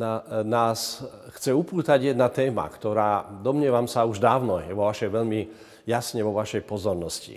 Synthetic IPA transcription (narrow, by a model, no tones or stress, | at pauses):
nanaːsxt͡sɛupuːt̪aɟjɛd̪nat̪ɛːma̰kt̪ɔɾaːd̪ɔmɲɪɛʋamsauʒd̪aːʊnɔjɛʋɔʋaʃɛjʋɛʎmi | jasɲɛʋɔʋaʃɛjpɔzɔɾnɔscḭ